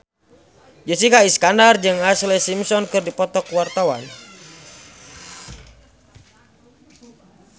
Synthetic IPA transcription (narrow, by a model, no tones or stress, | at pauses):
d͡ʒəsikaiskandard͡ʒɨŋaslɛsimsɔnkɨrdipɔt̪ɔkwart̪awan